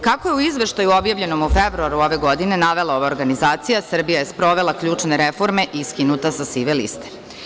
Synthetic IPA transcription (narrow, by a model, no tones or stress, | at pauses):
kakojeuizʋe̞ʃt̪ajuo̞bjaʋʎe̞no̞mufebɾuaɾuo̞ʋe̞ɡo̞d̪ine̞naʋe̞lˠao̞ʋao̞ɾɡanizaːt̪sijasr̩bijaje̞spɾo̞ʋe̞lˠakʎuːt͡ʂne̞ɾefo̞ɾme̞ʔiskinut̪asasiʋelḭst̪e̥